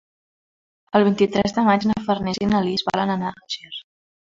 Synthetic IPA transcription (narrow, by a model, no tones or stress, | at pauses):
əlˠβ̞int̪it̪ɾɛzðəmat͡ʃnəfərnɛzinəlizβa̰lənənaəʒir